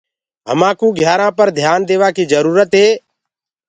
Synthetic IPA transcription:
ɦə̰mãːkũːɡʱjaːɾãːpəɾd̪ʱjaːnd̪eːʋaːkiːd͡ʒəɾuːɾət̪ɦeː

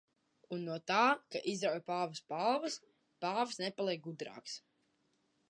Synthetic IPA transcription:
unːuɔt̪aːkaʔizɾawjpaːvəspalˠvɐs | paːvsnɛpalˠiɛk̚ɡud̪ɾa̰ːks

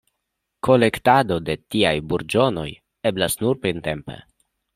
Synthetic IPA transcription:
kʰo̞le̞ktado̞de̞tiajbuɾd͡ʒo̞no̞̰j | e̞blasnuɾpɾinte̞mpe̞̰

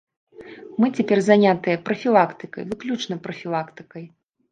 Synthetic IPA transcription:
mɨt͡sʲapʲɛrzanʲat̪ɨjɐpɾɐfʲilˠakt̪ɨkɐ̰jvɨklʲut͡ʂnɐpɾɐfʲilˠakt̪ɨ̥kɐj

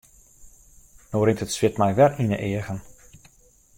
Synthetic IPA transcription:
noːɾɪntətsʋɪtmɛjʋɛrinəʔɪəɣən

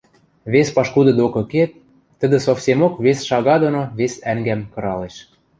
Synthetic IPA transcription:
βespɑʃkud̪ɤ̆d̪okɤ̆ket̪̚ː | ə̆d̪ə̆sofsʲemokβesʃɑɣɑd̪onoβesæŋɡæmkɤ̆ɾɑleʃ

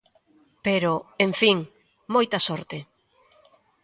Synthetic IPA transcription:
peɾʊeɱfiŋ | mojt̪ɐsɔɾt̪e

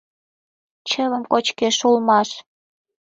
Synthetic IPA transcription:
t͡ɕələmkot͡ɕkeʃulmɑʃ

